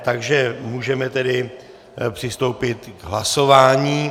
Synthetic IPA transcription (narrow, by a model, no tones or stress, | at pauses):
t̪aɡʒɛmuːʒɛmɛt̪ɛdɪ | pr̝̥ɪst̪o̞wpɪt̪ɡɦlaso̞vaːɲiː